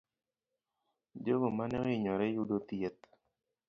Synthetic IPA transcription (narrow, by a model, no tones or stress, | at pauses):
d͡ʒoɡomanɛɣɪɲɔɾɛjudot̪jet̪̚